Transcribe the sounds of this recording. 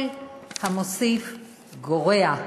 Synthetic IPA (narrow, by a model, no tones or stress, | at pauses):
lhamosif | ɡoʁea